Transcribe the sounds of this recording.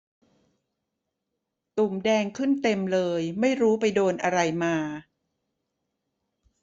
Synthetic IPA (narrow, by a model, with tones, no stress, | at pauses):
t̪u˨˩mdɛː˧ŋkʰɯ˥˩nt̪e˧mlɤː˧jma˥˩jɾuː˦˥pa˧jdoː˧nʔa˧ɾa˧jmaː˧